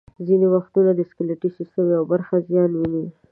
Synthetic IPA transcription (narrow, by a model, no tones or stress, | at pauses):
zinewaxt̪unad̪əskeleʈisist̪əmjawbaɾxazjɑnwini